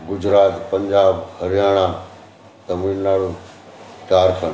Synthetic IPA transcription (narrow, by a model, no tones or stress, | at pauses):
ɡʊd͡ʑɾaːt̪pɐ̃ɲd͡ʑaːbɦɐɾijaːɽ̃a | t̪ɐmiːnnaːɽu | t͡ʃaːɾkʰən